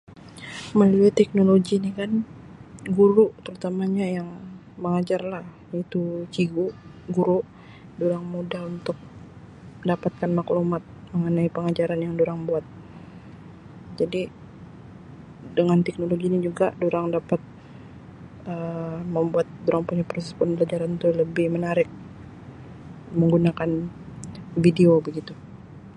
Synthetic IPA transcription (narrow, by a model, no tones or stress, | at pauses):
məliat̪ːɛk̚noloɡinikan | ɡuɾut̪əɾut̪amaɲajaŋ | məŋad͡ʒarlah | it̪ut͡ʃiɡuʔɡuɾuʔ | doɾaŋmodalunt̪ʊk̚ | dapat̪̚kanmaklumat̪̚məŋənaipəŋad͡ʒaɾanjaŋdoɾaŋbuat̪̚ | d͡ʒadi | dəŋant̪ɛk̚noloɡiɲid͡ʒuɡadoɾaŋdapat̪̚ | əməmbuat̪̚doɾaŋpuɲapɾosɛspʊnpəlad͡ʒaɾant̪uləbɪhmənaɾɪk̚ | məŋɡunakan | videobəɡit̪u